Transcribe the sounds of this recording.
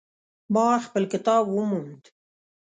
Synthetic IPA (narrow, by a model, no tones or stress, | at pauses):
bɑːxpəlkɪt̪ɑːbwumund̪